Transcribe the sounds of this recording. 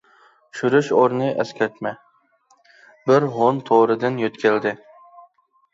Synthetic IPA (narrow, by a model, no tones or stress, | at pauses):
ʃyɾyʃoɾnɨʔɛskʲʰɛɾt̪mɛ | bɪɾɦont̪ʰoɾɨd̪ɨnjøt̪kʲʰeld̪ɪ